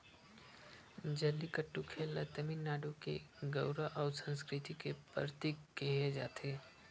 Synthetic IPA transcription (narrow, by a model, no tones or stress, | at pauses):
d͡ʒəlːikəʈːukʰeːlət̪əminːaːɖokḛɡəʊɾaʔɔːɾsə̃nskɾɪt̪ikepəɾt̪ikkɛɦed͡ʒa̰ːt̪ʰeː